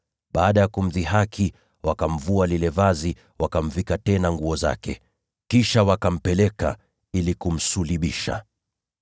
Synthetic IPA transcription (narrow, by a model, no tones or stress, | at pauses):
ɓaːɗajakum̩ðiɦakʰi | wakam̩vualilɛvazi | wakam̩vikatɛnaŋɡuɔza̰kɛ̰ | kiʃawakam̩pɛlɛka̰ | ilikum̩suliɓiʃa̰